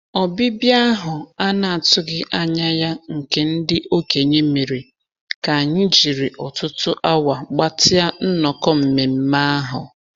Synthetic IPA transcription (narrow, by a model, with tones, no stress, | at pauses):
ɔ˨bɪ˦bja˦ɦʊ˨a˦na˨a˨tʊ˦ɡɪ˦ʔa˦ɲa˦ja˦ŋ̩˨ke˨n̩˦dɪ˦ʔo˦ke˨ɲe˦me˨ɾi˨ | ka˨a˨ɲɪ˦d͡ʒi˨ɾi˨ʔɔ˨tʊ˦tʊ˦ʔa˦wa˨ɡ͡ba˦tɪ˦a˦n̩˦nɔ˨kɔ˦m̩˨me˨m̩˦ma˦a˦ɦʊ˨